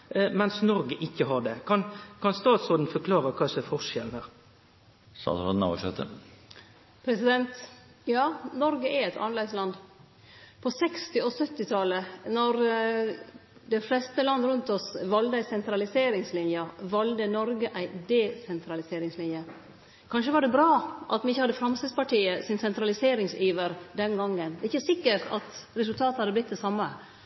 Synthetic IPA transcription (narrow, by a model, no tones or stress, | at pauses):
mɛnsnɔɾɡəʔɪkːəɦɑɖɛkʰɑnkʰɑnst̪ɑːt̪sɔːd̪n̩fɔkʰlɑːɾəkʰɑːsɛfɔʂɛln̩hæːʁ | sɑ̰ːsɾɔ̰d̪nɑ̰ʋ̰ʃɛt̪ə̰ | pʰɾɛsɪd̪ɛnt̪ | jɑːnɔɾɡəʔæɛɛt̪ʰɑ̰nlɛɪslɑnd̪ | pʰɔsɛkst̪ɪɔsœt̪ːɪt̪ʰɑlənɔɾ | d̪ɛɪflɛst̪əlɑnd̪əɾʉnt̪ɔsʋɑld̪əæɪsɛnt̪ɾɑlɪseːɾɪŋslɪnjɑʋɑld̪ənɔɾɡəʔæɪd̪ɛsɛnt̪ʰɾɑlɪseːɾɪŋslɪnjə | kʰɑnʂəʋɑɖɛbɾɑːʔɑ̰t̪mɛnɪçːəhɑd̪ːəfɾɑmst̪ɪd̪spɑʈiːəsɪnsɛnt̪ɾɑlɪseːɾɪŋsyːʋəɾd̪ɛnɡɑŋːənd̪ɛɪçːəsɪkːəɾʈɑ̰t̪ɾɛsʉlt̪ʰɑːt̪əhɑd̪ːəblɪt̪̚d̪ɛsɑmːə